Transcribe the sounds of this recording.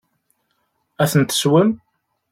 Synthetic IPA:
æθənt̪ə̥swəm

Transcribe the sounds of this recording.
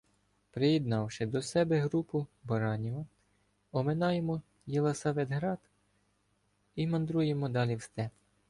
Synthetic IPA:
pɾɪjid̪nɑwʃɪd̪ɔsɛbɛɦɾupʊbɐɾɑnʲiʋɐ | ɔmenɑjemɔ | jilˠɐsɑʋɛd̪ɦɾɑd̪ | imɐnd̪ɾujemɔd̪ɑlʲiwst̪ɛ

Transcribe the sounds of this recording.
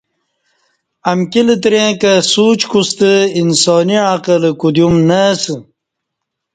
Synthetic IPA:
ɐmkilɨt̪ɾẽːkɐsuːt͡ɕkust̪əinsɔːniɻãːqələkud̪jumnəsɨ

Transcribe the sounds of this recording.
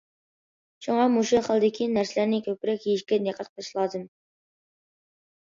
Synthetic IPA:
ʃuŋɑmuʃuχəlˠɨd̪ɪkʲʰinæɾsɪlæɾnɪkʲʰøpɾɛkʲjeʃkʲɛneqʰɑt̪̚qʰəʃlˠɑd̪ɨm

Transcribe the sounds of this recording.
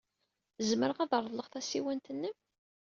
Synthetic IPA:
zməɾəʁæðəɾˤðˤləʁθæsiwænt̪ənːəm

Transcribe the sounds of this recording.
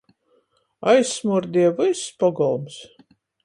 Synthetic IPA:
ajsːmuɾd̪iɛvɨsːpɔɡɔlˠms

